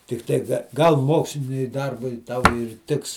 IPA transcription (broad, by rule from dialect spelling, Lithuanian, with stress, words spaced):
tʲɪkˈtɐɪ ɡɐlˠ ˈmoːksʲlʲɪnʲʊɪ ˈdɐrbʊɪ ˈtɐʊ ɪr ˈtʲɪks